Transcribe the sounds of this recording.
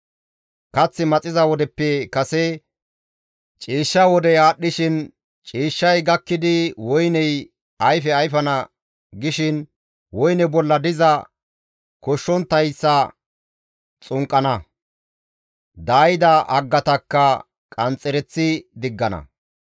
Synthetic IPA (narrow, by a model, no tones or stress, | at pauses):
kɐt͡sːɪmɐt͡sʼɪzɐwɔd̪ɛpːɛkɐsɛ | t͡ʃʼiːʃːɐwɔd̪ɛjaːɗːɪʃɪn | t͡ʃʼiːʃːɐjɡɐkːɪd̪ɪwɔjnɛj | ɐjfɛɐjfɐnɐ | ɡɪʃɪn | wɔjnɛbɔlːɐd̪ɪzɐ | kɔʃːɔnt̪ːɐjsːɐ | t͡sʼʊŋkʼːɐnɐ | d̪aːjɪd̪ɐʔɐɡːɐt̪ɐkːɐ | kʼɐnt͡sʼːɛɾɛt͡sːɪd̪ɪɡːɐnɐ̰